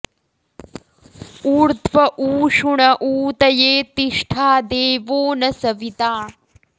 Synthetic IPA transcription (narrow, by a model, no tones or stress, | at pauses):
uːɾt̪ʰʋɐʔuːʂuɳɐʔuːt̪ɐjeːt̪iʂʈʰaːd̪eːʋoːnɐsɐʋit̪aː